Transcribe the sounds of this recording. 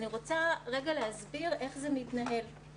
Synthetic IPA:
niʁo̞t͡saʁeɡaleɦazbiʁe̞χzemitnaɦe̞l

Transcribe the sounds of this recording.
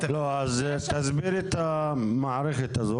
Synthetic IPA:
loazt̪azbiɾet̪amaʕɾeχet̪azo

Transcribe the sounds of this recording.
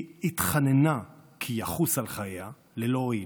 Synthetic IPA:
hitχanenakʰijaχusalχaja | leloi

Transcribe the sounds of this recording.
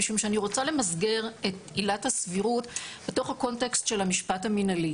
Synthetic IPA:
iʃumʃeaniʁo̞t͡sale̞mazɡe̞ʁetilathasviʁutbeto̞χhako̞ntekstʃe̞lhamiʃpathaminali

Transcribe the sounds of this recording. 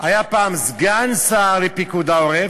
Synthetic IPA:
ʔajapaːmzɡansaʁlepikud̪aoʁe

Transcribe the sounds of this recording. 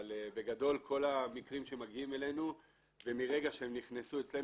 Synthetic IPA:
lbe̞ɡado̞lkʰo̞lamikʁimʃeemaɡiime̞le̞nu | vemiʁe̞ɡaʃeemniχnesuet͡sle̞

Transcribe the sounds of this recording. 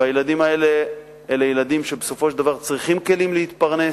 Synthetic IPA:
ajelad̪imae̞le | elejelad̪imʃe̞beso̞fo̞ʃedavaʁt͡sʁiχimke̞limlehit̪paʁne̞

